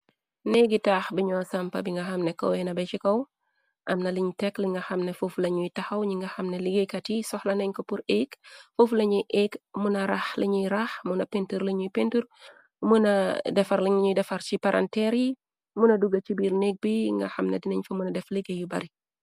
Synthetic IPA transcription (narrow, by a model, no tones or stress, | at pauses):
neɡitaːxbiɲɔːsɐmpɐ̰biŋɡɐxɐmnɛkɐ̰wɛnɐbɛt͡ʃikɐw | ʔɐmnɐliɲtɛkliŋɡɐxɐmnɛfuflɐɲujtɐxɐwɲiŋɡɐxɐmnɛliɡekɐtisɔxlɐnɛɲkopuɾekfuflɐɲuʔekmunɐɾaxliɲiɾaxmunɐpentuɾliɲujpentuɾ | munɐdɛfɐɾliɲɲudɛfɐɾt͡ʃipɐɾʔɐ̰ntɛɾi | munɐduɡɐt͡ʃibiːɾnek̚biŋɡɐ̰xɐmnḛdinɐɲfɐmunɐdɛfliɡejubɐ̰ɾi